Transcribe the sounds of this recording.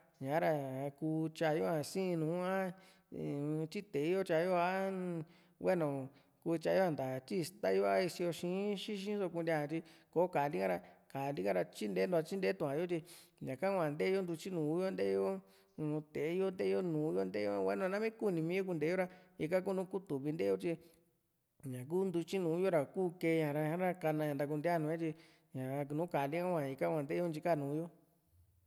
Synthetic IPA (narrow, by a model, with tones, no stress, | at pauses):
ɲã˨˦ɾa˧ku˧t͡ʃa˧jo˦ã˧sĩ˦˧nũː˨˦ã˦ | t͡ʃi˦t̪e˨˦jo˦t͡ʃa˧jo˦a˦ | we˦nõ˨ | kuː˧t͡ʃa˧˦jo˦ã˧˨nd̪a˨t͡ʃi˦˧st̪a˦jo˦˧a˦i˧si˧jo˧ʃĩ˧˦ʃĩ˦ʃ̬ĩ˦so˧ku˧nd̪ʲa˧ã˧t͡ʃ̪i˧ko˨˦ka˨li˦kã˦ɾa˧ka˨˧li˦kã˦ɾa˧t͡ʃi˦nd̪e˦nd̪u˧a˧t͡ʃi˦nd̪e˦t̪ũ˧˨ã˨˦jo˦t͡ʃ̪i˧ɲã˨ka˦kʷã˨nd̪e˦jo˦nd̪u˧t͡ʃi˦nũ˨˦jo˦nd̪e˦õ˦˧ | t̪e˨˦o˦nd̪e˦jo˦nũː˨˦jo˦nd̪e˦jo˦˧wa˧˦nũ˧a˧ã˦mĩ˦ku˦˧nĩ˧mĩ˦jo˦k̬u˧nd̪e˨˦o˦ɾa˧i˧ka˦k̬u˦nũː˦ku˦t̪u˨βi˧nd̪e˦jo˦t͡ʃi˧ | ɲã˨k̬uː˦nd̪u˧t͡ʃi˦nũː˨˦jo˦ɾa˨kuː˦ke˧ɲã˨ɾa˧ã˦ɾa˧ka˧nã˧ɲã˨d̪a˧k̬u˧nd̪ja˦˨nũ˧˦ã˦t͡ʃi˧ | ɲã˨˧nũː˨˦ka˨li˦ŋa˦kʷã˨i˧ka˦kʷã˨nd̪e˦jo˦nd͡ʒi˧ka˦˨nũː˨˦jo˦